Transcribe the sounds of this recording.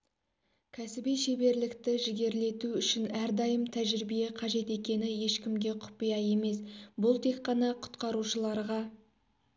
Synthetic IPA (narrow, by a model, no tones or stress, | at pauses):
kʲʰæsɪbijʃe̞be̞ɾlɪkt̪ɪʒɪɡʲe̞ɾle̞t̪uʏʃɪnæɾd̪ɑjəmt̪ʰæʒɪɾibijeqʰɑʒe̞t̪e̞kʲe̞nɪje̞ʃkʲɪmɡʲe̞qʰʊ̥pijɑje̞me̞sbʊlˠt̪ʰe̞kqɑnɑqʰʊ̥t̪qɑɾuʃəlˠɑɾʁɑ